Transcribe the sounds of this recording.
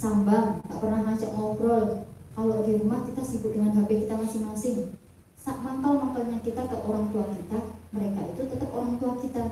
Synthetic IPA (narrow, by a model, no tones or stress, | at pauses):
sambaŋŋɡa̰ʔpərnahmat͡ʃəʔŋɔkɾɔlkaloɦiɾumahkit̪asikudəŋanɦabɛkit̪amasɪŋmasɪŋ | saʔmaŋkalmaŋkalɲakit̪akəʔoɾaŋt̪uakit̪aməɾekait̪ut̪ət̪əpoɾaŋt̪uakit̪a